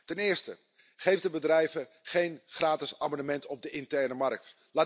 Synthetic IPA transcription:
tɛnɪːɹstə̰ | χejfdəbədrɛjvə | χejnχraːtɪsaːmɔnəmɛntɔb̚dəʔɪntɛrnəmɑrk̚t | laː

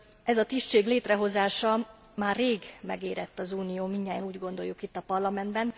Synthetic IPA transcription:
ɛzɒt̪iʃt͡ʃeːɡleːt̪rɛɦo̞zaːʃɒ | maːrːeːɡmɛ̰ɡeːɾɛt̪ːɒzuːnijoːmiɲːaːjɒnuːɟɡo̞nd̪o̞jːukit̪ːɒpɒrlɒmɛnd̪bɛn

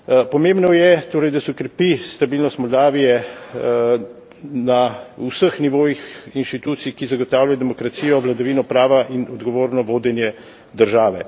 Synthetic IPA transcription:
pɔmẽmbnɔjɛt̪oːɾɛjd̪asɛukɾɛpist̪abiːlnɔst̪mɔld̪aːʋijɛ | nausəxniʋoːjixinʃt̪it̪uːt̪sikizaɡɔt̪aːwlʲjajɔd̪ɛmɔkɾat̪siːjɔʋlad̪aʋiːnɔpɾaːʋaʔinɔd̪ɡɔʋoːɾnɔʋoːd̪ɛnjɛ | d̪əɾʒaːʋɛ

